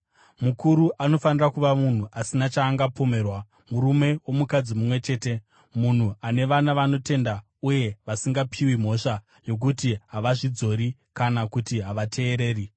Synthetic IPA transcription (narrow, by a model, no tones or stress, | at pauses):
mukuɾuʔano̞fanirakuʋamun̤uʔasinat͡ʃaːŋɡapo̞me̞ːrwa | muɾume̞wo̞mukad͡zimumwe̞t͡ʃe̞ːte̞ | mun̤uane̞ʋanaʋano̞te̞nda | uje̞ʋasiŋɡapʰiwim̤o̞ʂa | jo̞k̬utiɦaʋaʐid͡zo̞ɾi | kanakutiɦaʋatʰe̞ːɾe̞ːri